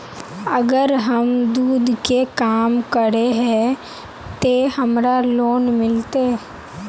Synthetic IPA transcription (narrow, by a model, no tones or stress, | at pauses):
əɡəɾɦəmd̪uːd̪kekaːmkəɾeɦɛ̃ | t̪eːhəmɾaloːnmɪlt̪eː